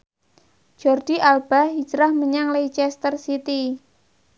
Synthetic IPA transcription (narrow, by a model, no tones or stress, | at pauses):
d͡ʒ̥ɔrd̥iʔalb̥a̤ɦid͡ʒɾahməɲaŋleit͡ʃɛst̪ərsit̪i